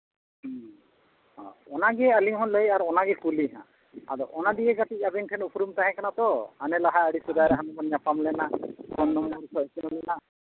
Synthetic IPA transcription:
hɔ̰̃ɔnaɡɛaliŋɦɔnləjaɾɔnaɡɛkuliɦã̰ | a̰dɔ̰ʔɔnad̪iɛɡatiabɛŋkʰɛnupɾumt̪aɦɛ̃kanat̪ɔanɛlaɦaəɽisud̪ajɾaɦanɔbɔnɲapamlɛnakɔnːɔmːɔɽisʰɔɛsɛnɔlɛna

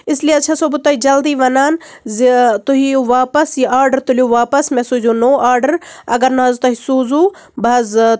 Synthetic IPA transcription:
ɪslijeɐt͡ʃʰɐsobut̪ɐɦid͡ʒɐld̪iːʋɐnaːn | zt̪uɦiuʋaːpɐsjiaːɾɖɐɾt̪uluʋaːpɐsmẽsud͡ʒunoːaːɾɖɐɾɐ̰ɡɐɾnɐzt̪ɐɦisuːzu | bɐz

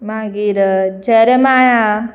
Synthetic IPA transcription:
maɡiɾəd͡ʒeɾemaːja

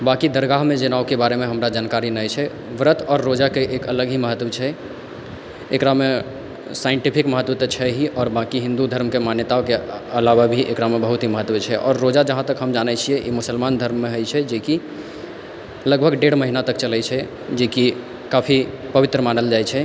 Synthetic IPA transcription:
bãkid̪əɾɡaɦmẽd͡ʒənaokebaɾemẽɦəmɾad͡ʒaːnkaɾinəjt͡ʃʰɛ | ʋɾət̪ʰɔːɾːod͡ʒakeʔekələɡɦiməɦət̪ʋət͡ʃʰɛ | ekɾame | saɪɳʈipʰikməɦət̪ʋət̪ət͡ʃʰɛɦiʔɔːɾbãkiɦɪ̃nd̪ud̪ʱəɾmkemanjət̪aokeəlaʋabʱiʔekɾamebəɦut̪ɦiməɦət̪ʋet͡ʃʰɛʔɔːɾːod͡ʒad͡ʒəɦãt̪əkɦəmd͡ʒanɛt͡ʃʰiɛʔimʊsəlmand̪ʱəɾmːeɦəjt͡ʃʰɛd͡ʒeki | ləɡ̚bʱəɡɖeɽməɦinat̪ək̚t͡ʃəlɛt͡ʃʰɛ | d͡ʒeki | kapʰi | pəʋɪt̪ɾəmanəld͡ʒajt͡ʃʰɛ

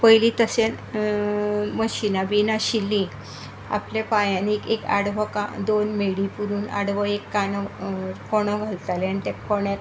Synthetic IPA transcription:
pəjlĩt̪əsen | məɕinabinaɕilːĩ | a̰plapajãniekeka̰ɽʋəkad̪onmeɽipuɾuːna̰ɽʋəekːanəkoɽ̃əɡʱəlt̪alanit̪ẽkoɳjak

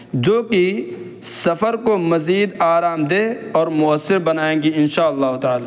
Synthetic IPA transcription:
d͡ʒoːki | sɐfəɾkomɐziːd̪aːɾaːmd̪eːɔːɾmʊəsːɪɾbɐnaːẽːɡiɪnʃaːɐlːaːɦʊt̪aːlaː

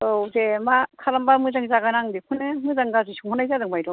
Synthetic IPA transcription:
ozemakʰalambamɯzaŋzaɡanaŋdekʰɯnɯmɯzaŋɡazɯsʰuŋhʰɯnajzadɯŋbajdɔ

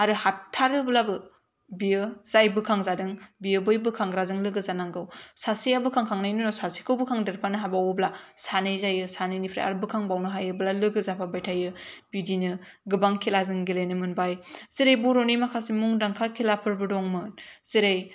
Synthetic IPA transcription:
aɾɯhatʰːaɾɯblabɯ | biɯz̥ajbɯkʰaŋzadɯŋbiɯbɯjbɯkʰaŋɡɾazɯŋlɯɡɯzanaŋɡɯwsasiabɯkʰaŋkʰaŋnajnɯnɔsasi̥kʰɯwbɯkʰaŋdeɾpʰanɯɦabawɯblasanɯjzajɯsanɯjnipʰɾa̰a̰ɾɯbɯkʰaŋbawnɯɦajɯblalɯɡɯzapʰabajtʰajɯbidinɯ | ɡɯbaŋkʰilazɯŋɡilenɯmɯnbajz̥iɾejboɾonimakʰasimuŋdaŋkʰakʰilapʰɯɾbɯdɔŋmɯnz̥iɾaj

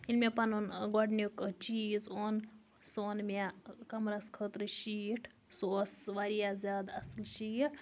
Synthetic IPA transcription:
ilmʲepanonɡaɖnikt͡ʃiːzoːn | soːnmʲakɐmɾaskʰət̪ɾɨʃiːʈʰ | soːsʋaɾijazʲaːd̪ɐsɨlʃiːʈʰ

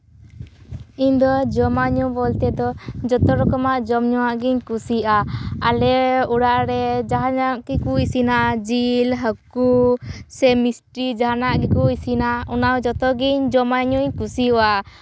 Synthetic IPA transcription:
iɲd̪ɔd͡ʒɔmaɲubɔlt̪ɛd̪ɔd͡ʒɔt̪ɔɾɔkɔmaʔd͡ʒɔmɲɔwaʔɡiɲkusiʔaalɛuɽaʔɾɛd͡ʒaɦanaʔkɛkuisinad͡ʒilɦəkusɛmisʈɾid͡ʒaɦanaʔkɛkuisinaunawd͡ʒɔt̪ɔɡiɲd͡ʒɔmaɲuɲkusiua

